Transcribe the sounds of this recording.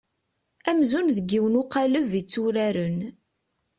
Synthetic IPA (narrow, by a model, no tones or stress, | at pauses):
æmzunðəɡːiwənʊqaləvit͡sːuɾæɾən